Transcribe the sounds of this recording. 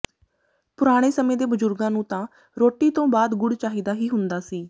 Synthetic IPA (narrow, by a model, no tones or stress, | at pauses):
pʊɾaːɽ̃eːsəmẽːd̪eːbəzʊɾɡãːnũːt̪ãː | ɾoːʈːiːt̪õːbaːd̪ɡʊɽt͡ʃaːɦiːd̪aːɦiːɦʊnd̪aːsiː